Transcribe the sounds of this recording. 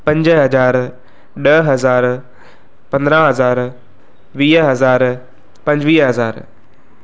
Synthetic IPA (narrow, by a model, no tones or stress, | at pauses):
pɐ̃ɲd͡ʑɦɐzaːɾ | ɗəɦɐzaːɾ | pɐ̃nd̪ɾãɦɐzaːɾ | ʋiːɦɐzaːɾ | pɐ̃ɲd͡ʑʋiːɦɐzaːɾ